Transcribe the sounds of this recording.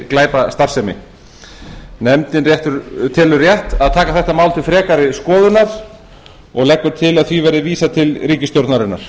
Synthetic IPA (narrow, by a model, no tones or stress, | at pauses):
klaːjpast̪aɾ̥sɛmɪ̰ | nɛmt̪ɪnrjɛht̪ʏɾt̪ʰɪlʏrjɛht̪aðt̪ʰaːkaθɛht̪amaːwlt̪ʰɪlfɾɛːkaɾɪskɔːðʏnaɾ̥ | ɔɣlɛhkːʏɾ̥t̪ʰɪlaðθvivɛɾðɪviːsat̪ʰɪlriːcɪst̪jowɾt̪naɾɪna̰ɾ̥